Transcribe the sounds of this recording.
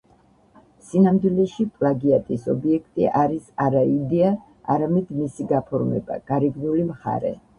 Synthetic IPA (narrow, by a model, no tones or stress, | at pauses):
sinamd̪wilɛʃipʼlˠaɡiat̪ʼisɔbiɛkʰt̪ʼiʔaɾisaɾaid̪ɛa | a̰ɾamɛd̪misiɡapʰɔɾmɛ̰ba̰ɡ̥aɾiɡnulimχa̰ɾɛ̰